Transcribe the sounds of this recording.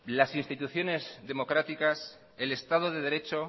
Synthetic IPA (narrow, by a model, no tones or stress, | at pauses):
lasinst̪it̪uθjo̞ne̞zðe̞mo̞kɾat̪ikas | ele̞st̪aðoðe̞ðe̞ɾe̞t͡ʃo̞